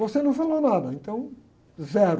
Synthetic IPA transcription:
vɔsenɐ̃w̃falˠonaðɐẽnt̪ɐ̃w̃ | zɛɾ

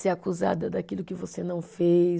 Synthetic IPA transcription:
seakuza̰d̪ɐd̪akilʊkɪvosenɐ̃w̃fe

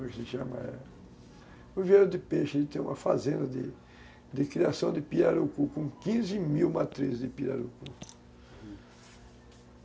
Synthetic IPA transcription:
ɛkɪsɪʃɐ̃mɐ̰ɛ̰ | ʊ̃vieɾʊd̪ɪpeʃelɪt̪ẽj̃ũmɐfazẽnd̪ɐd̪ɪ̰ | d̪ɪkɾiasɐ̃w̃d̪ɪpiɾaɾukukõkĩzɪmiwmat̪ɾizzd̪ɪpiɾa̰ɾuku

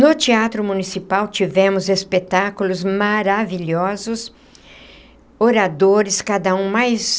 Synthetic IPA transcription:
nʊt͡ʃiat̪ɾʊmũnisipawt͡ʃivɛ̃mʊzespet̪akulʊzmaɾaviʎɔzʊs | oɾad̪oɾɪskad̪ɐũmajs

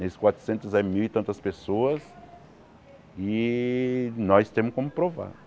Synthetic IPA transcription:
nesɪ̥kwat̪ɾʊ̥sẽnt̪ʊzɛmiwit̪ɐ̃nt̪ɐspesoɐs | ɪ | nɔjst̪ẽmʊkõmʊpɾova̰ɾ

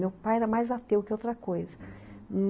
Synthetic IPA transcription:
ewpajɛɾɐmajzat̪ewkɪowt̪ɾɐkojzɐm

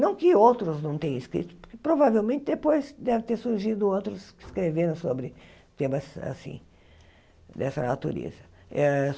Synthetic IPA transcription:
nɐ̃w̃kɪowt̪ɾʊznɐ̃w̃t̪ẽj̃ɐ̃ɪskɾḭt̪ʊ̥pʊɾkɪpɾovavewmẽnt̪ɪd̪epojzd̪ɛvɪ̃t̪eɾsuɾʒid̪ʊowt̪ɾʊskɪskɾeveɾɐ̃w̃sobɾɪ | t̪ẽmɐsa̰sḭ̃ | d̪ɛsɐnat̪ṵɾḛzɐɛ

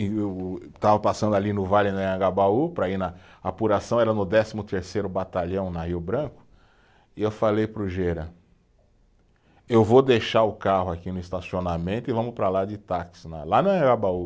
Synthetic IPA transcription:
t̪avɐpasɐ̃nd̪ʊalinʊvalɪnɐɐ̃ɡabaupɾɐinɐapuɾasɐ̃w̃ɛɾɐnʊd̪ɛsimʊt̪eɾsejɾʊbat̪aʎɐ̃w̃nɐhiʊbɾɐ̃kʊ̥ | ɪewfalejpɾʊʒeɾɐ | ewvod̪eʃaɾʊkahʊakinʊist̪asionamẽnt̪ʊɪvɐ̃mʊpɾalad͡ʒɪt̪aksnɐ̰lanɐɐ̃ɡabau

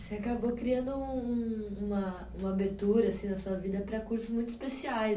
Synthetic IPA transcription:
seakabokɾiɐ̃nd̪ʊũuũũmɐ | ũmɐabeɾt̪uɾɐːsĩnɐsuɐvid̪ɐpɾɐkuɾsʊzmũj̃t̪ʊɪ̥spesiaj

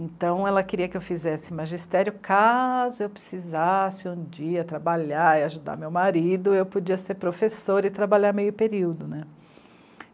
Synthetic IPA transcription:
ẽt̪ɐ̃w̃ɛlɐkɪɾiɐkɪewfizɛsɪmaʒist̪ɛɾjʊkazʊewpɾe̥sizasɪũd͡ʒiɐt̪ɾabaʎaɾiaʒud̪a̰ɾmewmaɾid̪ʊewpod͡ʒiɐseɾpɾofesoɾɪt̪ɾabaʎaɾmejʊpeɾiwd̪ʊnɛ

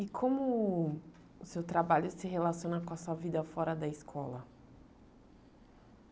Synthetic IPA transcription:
ikʰõmʊ | ʊsewt̪ɾabaʎʊsɪɦelasiõnɐkõɐsuɐvid̪ɐfɔɾɐd̪ɐɪskʰɔ̰lɐ

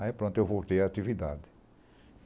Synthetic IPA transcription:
aipɾõnt̪ʊewvowt̪eɾaːt̪ivid̪ad̪ɪ

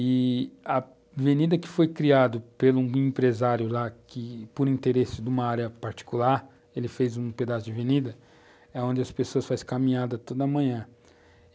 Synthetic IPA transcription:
ɪɐ | venid̪ɐkɪ̥fojkɾiad̪ʊpelũĩpɾezaɾjʊlakɪpʊɾĩt̪eɾesɪd̪ũmɐaɾjɐpaɾt͡ʃi̥kulaɾ | elɪfejzũped̪asʊd͡ʒɪvenid̪ɐ | ɛõd͡ʒɪɐspesoɐsfajskamĩɲad̪ɐt̪od̪ɐɐmɐ̃ɲɐ̃

